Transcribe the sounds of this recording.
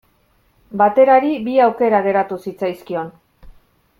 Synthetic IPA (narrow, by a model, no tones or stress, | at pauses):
bat̪e̞ɾaɾibiawke̞ɾaɣ̞e̞ɾat̪usit͡sajskio̞n